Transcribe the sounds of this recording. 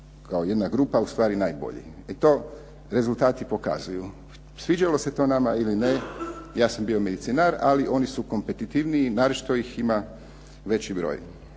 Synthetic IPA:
kʰao̞je̞d̪naɡɾuːpaust̪ʋaːɾinaːjbo̞̰ʎḭ | it̪o̞ː | ɾe̞zult̪aːt̪ipo̞ka̰zuju | sʋid͡ʒalo̞se̞t̪o̞ːnamailinejaːsambio̞me̞d̪it̪sinaɾa̰liʔo̞nisuko̞mpe̞t̪it̪iʋniːnaɾot͡ʃt̪oixima | ʋe̞t͡ɕibɾo̞̰ːj

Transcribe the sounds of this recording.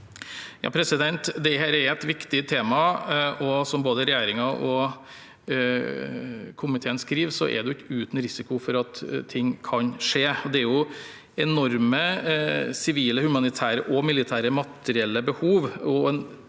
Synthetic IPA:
jɑ̰ːpʰɾɛsɪd̪ɛnt̪d̪ɛɦæːɾɛɾɛt̪ʋɪkt̪ɪt̪ʰeːmɑɔsɔmboːd̪əɾɛjæːɾɪŋɑʔɔ | kʰʊmɪt̪ʰeːənskɾiːʋsɔ̰ʔɛ̰ɾd̪ɛʊɪkːʉːt̪n̩ɾɪsɪkʊfɔɾɑt̪ʰːɪŋːkʰɑnʂeːɔd̪ɛæɾjʊ | ɛnɔɾmə | sɪʋiːləhʉmɑnɪt̪ʰæːɾəʔɔmɪlɪt̪ʰæːɾəmɑt̪əɾɪɛlːəbəhuːʋɔɛn

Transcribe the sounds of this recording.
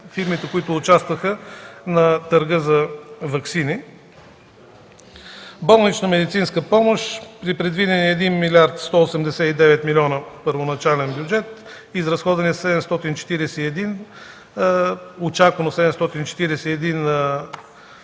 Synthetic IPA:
fiɾmit̪ɛkoit̪ʊːt͡ʃast̪vəxənɐt̪əɾɡɤzɐvɐksini | bɔlˠnit͡ʃnəmɛd̪it̪sinskəpɔmoʃpɾipɾɛd̪vid̪ɛniɛɛd̪inmilʲaɾt̪st̪ɔosɛmd̪ɛsɛid̪ɛvɛt̪milʲɔnəpəɾvonɐt͡ʃalɛnbjud͡ʒɛt̪ | izɾɐsxɔd̪vɐnɛsɛd̪ɛmst̪ɔt̪int͡ʃɛ̥t̪iɾɛsɛiɛd̪in | ot͡ʃakvənosɛd̪ɛmst̪ɔt̪int͡ʃɛ̥t̪iɾɛsɛɛd̪in

